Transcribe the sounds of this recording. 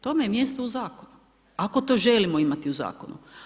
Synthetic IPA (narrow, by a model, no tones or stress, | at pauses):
t̪o̞mejemje̞st̪ouzaːkonu | ako̞t̪o̞ʒelimoimat̪iuza̰ːko̞̰nṵ